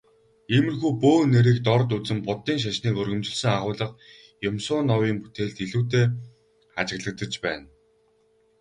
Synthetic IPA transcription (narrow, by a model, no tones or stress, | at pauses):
emɘ̆rxuːpoːneɾiːkt̪ɔrt̪ut͡sɘ̆mpʊt̪ːiːŋʃ̬aʃniːkɵrɣɵ̆mt͡ɕɪ̆ɮsɘ̆ŋaχʊːɮə̆q̚ | jʊmsʊːnːɔwiːŋpu̥t̪eːɮt̪iɮuːt̪eː | at͡ɕɪ̆ɣɮə̆k̚t̪ə̆t͡ɕpæːn